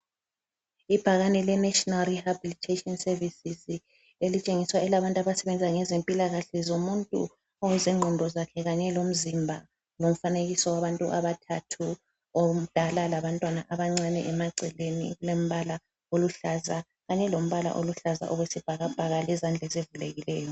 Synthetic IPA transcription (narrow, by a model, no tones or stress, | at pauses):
ib̥ʱaɣanɛlɛnɛʃɔnalrihabilitʰetʼiɔnsɛrvisiz | elit͡ʃʼeŋiswaɛlaβantʼaβasɛβɛnd͡zʱaŋɛzempʼilaɣaɬɛzomuntʼṵ | ɔwɛzɛŋ͡ǃʱɔndʱɔzakʰɛɣaɲɛlom̩zimbʱa | lom̩faneɣisɔwaβantʼṵʔaβatʰatʰu | od̥ʱalalaβantʼwana̰ʔaβaŋ͡ǀanɛʔɛmaɡ͡ǀʱɛlenḭɣulom̩βala | oluɬaza | ɣaɲɛlom̩βala̰ʔoluɬaza̰ʔɔɣwesib̥ʱaɣab̥ʱaɣalɛzand͡ɮʱɛzevuleɣilɛːjɔ